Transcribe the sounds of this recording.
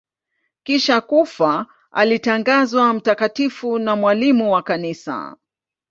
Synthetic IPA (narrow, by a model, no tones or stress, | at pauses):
kiʃakufa | a̰litaŋɡazwam̩takatifunamwalimuwakanisa̰